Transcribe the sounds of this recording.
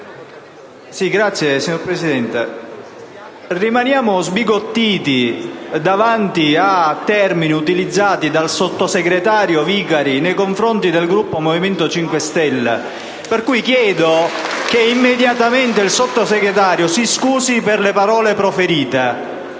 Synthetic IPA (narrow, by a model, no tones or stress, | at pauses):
siɡɾat̪sːjesiɲoɾpɾesid̪ɛnt̪e | rimanjaːmozbiɡot̪ːiːt̪id̪avant̪iat̪ːɛrminiut̪ilid̪zːaːt̪id̪alsot̪ːoseɡɾet̪aːɾjoviːkaɾinejkoɱfɾont̪id̪elɡɾupːomoviment̪ot͡ʃiŋkwest̪ɛlːḛ | perkujkjɛːd̪okeimːed̪jat̪ament̪eilsot̪ːoseɡɾet̪aːɾjosiskuːsiperlepaɾɔːlepɾofeɾiːt̪e